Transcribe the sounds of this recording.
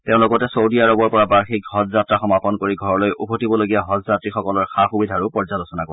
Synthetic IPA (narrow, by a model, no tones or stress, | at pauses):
teʊ̃lʊkɔtɛsowdijaɹɔbɔɹpɔɹabaɹxikhɔzzatɹaxɔmapɔnkoɹiɡʱɔɹɔlojʔubʱotibɔloɡijaɦɔzzatɹixɔkɔlɔɹxaxubidʱaɹupɔɹzalosɔnakɔɹ